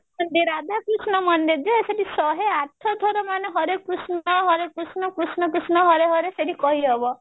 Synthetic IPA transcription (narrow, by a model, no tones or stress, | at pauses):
ɔnd̪iɾad̪ʱakɾusnɔmɔnd̪ed͡ʒ̪eeseʈisɔɦeaʈ̪ʰɔd̪ʱɔɾɔmaneɦɔɾekɾusnɔɦɔɾek̚kɾusnɔkɾusnɔkɾusnɔɦɔɾeɦɔɾeseʈikɔɦiɦɔbɔ